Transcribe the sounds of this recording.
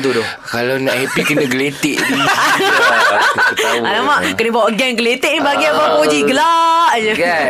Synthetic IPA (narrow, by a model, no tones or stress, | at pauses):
t̪udɔ | kalanaʔhɛpikənəɡəlet̪ɪʔ | alamaʔkənəbawaʔɡɛnɡəlet̪ɪʔ̚nibaɡiabapod͡ʒiɡəlaʔd͡ʒəɡ